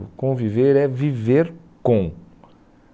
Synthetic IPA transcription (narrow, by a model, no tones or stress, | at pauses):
ʊkõviveɾɛviveɾ | kõ